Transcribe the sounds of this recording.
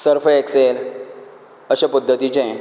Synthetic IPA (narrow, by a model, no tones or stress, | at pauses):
səɾfəeksel | əɕapəd̪ʱːət̪it͡ɕẽ